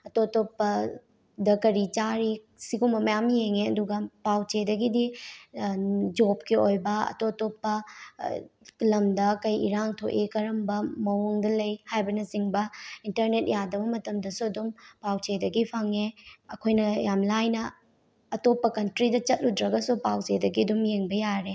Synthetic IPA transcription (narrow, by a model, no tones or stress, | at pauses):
ɐtotopːɐ | dɐkɐɾit͡ʃaɾi | siɡumbɐmɐjamjeŋeɐduɡɐpawt͡ʃedɐɡidi | d͡ʒop̚kiojbɐɐ̰totopːɐ | lɐmdɐkɐjiɾaŋtʰoʔikɐɾɐmbɐmɐwuŋdɐlɐjhajbɐnɐziŋbɐintɐɾnet̚jadɐbɐmɐtɐmdɐsuɐdumpawt͡ʃedɐɡipʰɐŋeɐkʰojnɐjamlajnɐː | topːɐkɐntɾidɐt͡ʃɐt̚ludɾɐɡɐsupawt͡ʃedɐɡiɐdumjeŋbɐjaɾe